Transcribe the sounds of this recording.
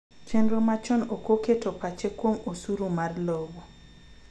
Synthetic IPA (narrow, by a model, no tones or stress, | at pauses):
t͡ʃenɾomat͡ʃɔnokoketopat͡ʃekwomosuɾumarlobɔ